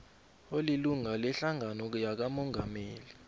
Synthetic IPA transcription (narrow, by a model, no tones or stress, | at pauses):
oliluŋalɛɬaŋanɔjak̬amɔŋʱameːli